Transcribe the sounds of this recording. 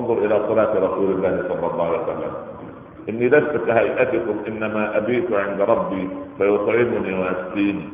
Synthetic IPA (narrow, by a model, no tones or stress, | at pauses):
nðˤʊɾʔɪlaːsˤɑlaːt̪ɾˤɑsuːlalːaːhsˤɑlːɑlˤːɑːhʕalewasalːa̰m | ʔɪnːilasbakhajʔat̪ɪkʊmʔɪnːamaːʔabiːt̪ʕɪnd̪ɾˤɑbːiːfajʊt̪ˤʕɪmʊniwaast̪iːni